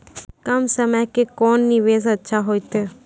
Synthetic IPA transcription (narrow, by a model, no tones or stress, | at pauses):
kəmsəməjkekɔːnːɪʋeːzətːʃʰaɦoːjt̪eː